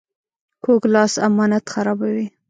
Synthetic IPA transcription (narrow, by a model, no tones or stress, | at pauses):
kʰoɡlɑsa̰mɑnat̪xaɾɑbawi